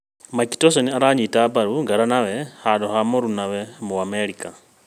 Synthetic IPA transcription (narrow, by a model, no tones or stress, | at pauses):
maki̥tos̬oniaɾaɲitabaɾuŋɡaɾanawɛhadoɦamoɾunawɛmuameɾikʼa